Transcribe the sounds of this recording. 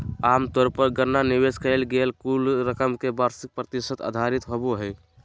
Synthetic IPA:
aːmt̪ɔːɾpəɾɡəɾnaniweskəɪlɡelkulɾəkəmkebaːɾsɪk̚pɾət̪isət̪a̰ːd̪ʱaɾit̪ɦoboɦɛ

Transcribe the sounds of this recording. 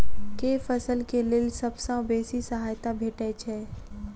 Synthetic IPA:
keːfəsəlkelɪlsɐbsãbeːsisəɦaːjt̪abʱeːʈɛt͡ʃʰɛː

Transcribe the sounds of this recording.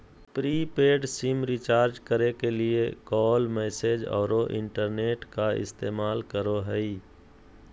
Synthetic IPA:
pɾiːpeːɖsɪmɾɪt͡ʃaːɾd͡ʒkəɾekeliekɔːlmɛːsed͡ʒɔ̰ːɾoʔɪ̰̃ɳʈəɾneːʈkaɪ̰st̪eːmaːlkəɾoɦɛi

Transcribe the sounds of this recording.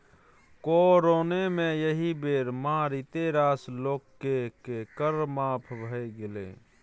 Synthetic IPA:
koɾoːnemẽjəɦibeːɾmãɾit̪eɾaːsloːkkːekekəɾmaːpʰbʱəeɡɪlḛː

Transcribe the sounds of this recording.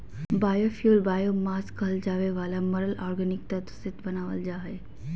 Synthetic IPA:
baːjofjuːlbaːjomaːskɐld͡ʒaːʋeʋaːlamɐɾəlɔːɾɡənɪk̚t̪ɐt̪sɪt̪bɐnaːʋə̰ld͡ʒaːe

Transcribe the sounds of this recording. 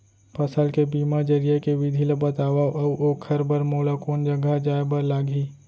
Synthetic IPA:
pɐsəlkebiːmad͡ʒɐɾijakeʋɪd̪ʱiləbət̪aːʋaːʔɐoːkʰɐɾbəɾmoːlakoːnd͡ʒɐɡʱad͡ʒaːebɐɾlaːɡʱiː

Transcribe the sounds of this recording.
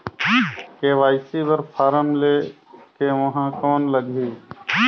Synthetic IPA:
keːʋaːɪsibəɾpʰaːɾəmlekeʋɐɦãkɔːnləɡʱiː

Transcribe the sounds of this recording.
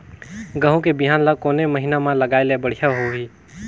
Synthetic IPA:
ɡə̃ɦõkebiɦaːnləɡ̚koːneməɦinamãləɡaːelebəɽ̤ijaɦoɦi

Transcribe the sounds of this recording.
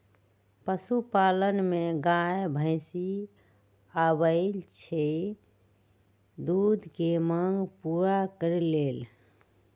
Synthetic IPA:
pəsupalənmeɡajbʱəɪsi | abəɪlt͡ʃʰe | d̪ud̪ʱkeməŋɡpuɾakəɾilel

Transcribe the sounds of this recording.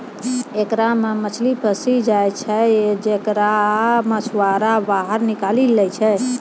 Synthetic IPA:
ekɾamemət͡ʃʰlipʰəsid͡ʒajt͡ʃʰɛd͡ʒekɾameswaɾabaɦəɾnikalilɛjt͡ʃʰɛ

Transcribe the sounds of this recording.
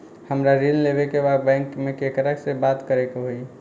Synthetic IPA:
həmɾaɾillebekebaɡbɛ̃ŋkmekekɾaksẽbat̪kəɾekɦoj

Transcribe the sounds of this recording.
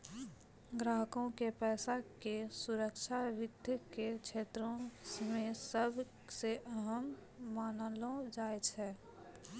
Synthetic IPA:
ɡɾaːɦəkõkepɛːsakesuɾəkt͡ʃʰaʋɪd̪ʱjkekt͡ʃʰeːt̪ɾõmẽsəbʱ | seʔəɦəmː | aːnlõd͡ʒaːet͡ʃʰɛː

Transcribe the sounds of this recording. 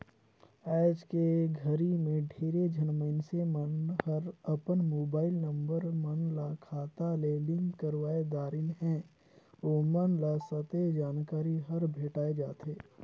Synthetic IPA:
ɛːd͡ʒkeɡʱɐɾimẽɖʱeːɾed͡ʒʱɐnməɪnsemənhɐɾəpənmoːbaːɪlnɐ̃mbəɾmənlakʰaːt̪alelɪ̃ŋɡkːəɾʋaːed̪aːɾɪnɦɛ̃ː | oːmənlasɐt̪ed͡ʒaːnkaːɾiɦɐɾbʱeːʈaːed͡ʒaːt̪eː

